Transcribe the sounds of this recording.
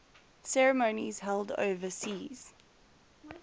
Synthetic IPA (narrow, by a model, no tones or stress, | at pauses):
sɛɹəmə̃ʊ̃niz̥hɛlˠdə̰ʊvəsiːz̥